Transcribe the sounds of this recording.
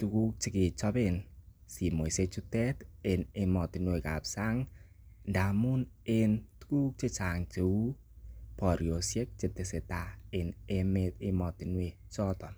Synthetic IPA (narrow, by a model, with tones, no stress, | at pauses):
tu˨ku˦k̚t͡ʃɪ˦kɪ˨t͡ʃɔ˦pɪ˦n | si˨mo˨i˨se˧t͡ʃu˦tɛ˦tɪ˨nɪ˧mɔ˨tɪ˨nwe˨ka̰˨psa˦ŋ | nda˨mu˦n | ɪ˦ntu̥˦ku˦k̚t͡ʃɪ˦t͡ʃa˨ŋt͡ʃe˨u˦ | pɔ˨ɾjo˨sje˦k̚t͡ʃɪ˨tɪ˨sɪ˨ta˨ɪ˨ne˦me˧tɪ˦mɔ˨tɪ˨nwe˨ | t͡ʃɔ˦tɔ˨n